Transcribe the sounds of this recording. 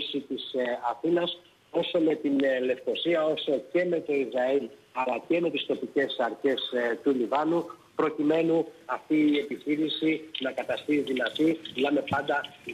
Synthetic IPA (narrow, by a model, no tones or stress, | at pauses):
sit̪isɐθinɐs | o̞so̞me̞t̪inle̞fko̞siɐo̞so̞ce̞me̞t̪o̞izɾɐilɐlɐce̞me̞t̪ist̪o̞pice̞sɐɾçe̞st̪ulivɐnupɾo̞cime̞nuɐft̪iːe̞piçiɾisinɐkɐt̪ɐst̪iðinɐt̪inɐme̞pɐnd̪ɐ